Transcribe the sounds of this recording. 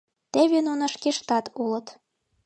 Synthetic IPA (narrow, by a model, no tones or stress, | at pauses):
t̪eβenonə̆ʃkeʃt̪ɑt̪ʰulə̆t̪